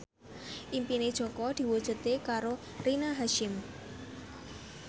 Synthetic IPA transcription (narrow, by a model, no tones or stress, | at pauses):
ʔimpined̥ʒ̥ɔ̤kɔd̪̥i̤wud̥ʒ̥ṳt̪ekaɾo | rinaɦaʃɪm